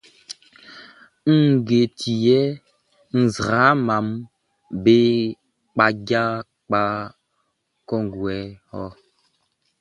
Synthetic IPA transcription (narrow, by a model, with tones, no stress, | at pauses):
ŋ̩˦˨ɡe˨tʰi˨jɛ˦ | n̩˨zɾa˨˦ma˨˦m | be˦ | k͡pa˦ɡa˦ | k͡pa˦ | kɔ˦ŋ˨ɡwɛ˨˦hɔ˦